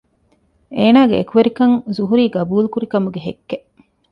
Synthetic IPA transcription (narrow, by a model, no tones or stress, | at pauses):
eːnaːɡḛḛkuʋeɾikɐŋzuɦuɾiːɡɐbuːlukuɾikɐmuɡeɦḛkːe